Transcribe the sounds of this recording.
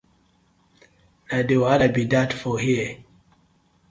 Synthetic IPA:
nadewadabidatfɔhiə

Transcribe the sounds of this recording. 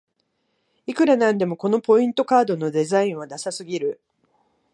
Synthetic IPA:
ikɯ̟ɾanãnd̪e̞mo̞ko̞no̞po̞ĩnt̪o̞kaːd̪o̞no̞d̪e̞zaĩɰ̃βad̪asasɨɡʲiɾɯ̟

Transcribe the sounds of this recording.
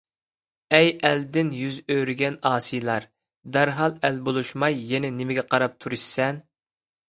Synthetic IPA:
ɛjɛld̪ɪnjyzøɾyɡʲɛnɑːsijlˠɑɾ | d̪æɾɦɑlˠɛlbolˠuʃmɑjːɛnɛnɪmɪɡʲɛqʰɑɾɑp̚t̪ʰuɾɨʃsɛn

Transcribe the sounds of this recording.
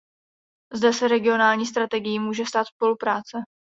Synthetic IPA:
zdɛsɛɾɛɡɪo̞naːlɲiːs̬t̪ɾat̪ɛɡɪjimuːʒɛst̪aːt̪spo̞lupɾaːt͡sɛ

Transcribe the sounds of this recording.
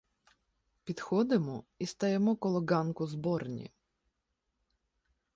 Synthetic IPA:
pʲit̪xɔd̪ɪmɔist̪ɐjɛmɔkɔlˠɔɡankʊzbɔɾnʲḭ

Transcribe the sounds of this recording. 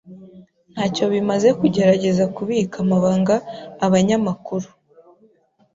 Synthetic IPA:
n̥haːco̞βimaze̞kuɟe̞ɾaɟe̞zakuβiːkamaβaːŋɡaːβaɲamakuɾu

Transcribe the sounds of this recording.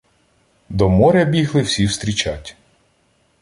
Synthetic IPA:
d̪ɔmɔɾʲɐbʲiɦlˠɪwsʲiwst̪ɾʲit͡ʃatʲ

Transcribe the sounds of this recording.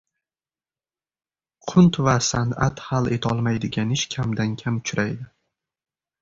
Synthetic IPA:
qʰʊnt̪vasanat̪halˠe̞̰t̪ʰɒlˠmajd̪ɪɡʲanɪʃkʲʰamd̪ankʲʰamʊt͡ʃʰʊɾajd̪ɪ

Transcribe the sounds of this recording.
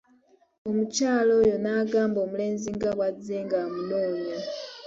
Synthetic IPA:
omut͡ʃalɔjɔnaɡambomulenziŋɡaβwad͡zɛŋɡamuloːɲɔ

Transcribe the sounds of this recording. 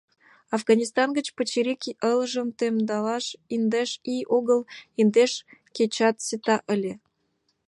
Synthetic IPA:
ɑfɣɑnʲist̪ɑnɣət͡ɕpət͡ɕiɾikiʔələʒəmt̪emd̪ɑlɑʃind̪eʃiʔoɣəlind̪eʃket͡ɕɑt̪sit̪ɑʔəlʲe

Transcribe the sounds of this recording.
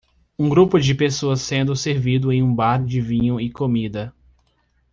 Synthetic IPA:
ũɡɾupʊd͡ʒɪpesoɐsːẽnd̪ʊseɾvid̪ʊẽj̃ũbaɾd͡ʒɪvĩɲʊɪkomid̪ɐ

